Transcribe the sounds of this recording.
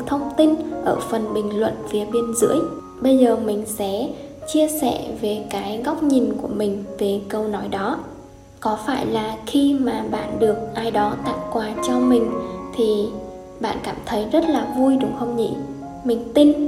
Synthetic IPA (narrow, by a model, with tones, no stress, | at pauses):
t̪ʰə˧wŋ͡mt̪i˧nʔəː˧˩fə˨˩nɓï˨˩ŋ̟lwə̰˧˨nfi˨˦əɓi˧ənzɨ̰˧˥əj | ɓə˧jzəː˨˩mï˨˩ŋ̟sɛ̰˧˥ | t͡ɕi˧əsɛ̰˧˨ve˨˩kaː˨˦jɣa˦˥wk͡p̚ɲi˨˩nku˧˩əmï˨˩ŋ̟ve˨˩kə˧wnɔ˨˦jɗɔ˨˦ | kɔ˨˦faː˧˩jlaː˨˩xi˧maː˨˩ɓa̰ː˧˨nɗɨ˨˩ək̚ʔaː˧jɗɔ˨˦t̪a̰ː˧˨wkwaː˨˩t͡ɕɔ˧mï˨˩ŋ̟t̪ʰi˨˩ | ɓa̰ː˧˨nkaː˧˩mt̪ʰə˨˦jzə˦˥t̚laː˨˩vu˧jɗʊ˨˦ŋ͡mxə˧wŋ͡mɲḭ˧˥ | mï˨˩ŋ̟t̪i˧n